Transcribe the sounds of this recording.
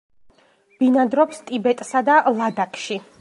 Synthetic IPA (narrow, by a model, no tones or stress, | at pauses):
b̥inad̪ɾɔpst̪ʼibɛt̪ʼsad̪alˠad̪akʼʰʃi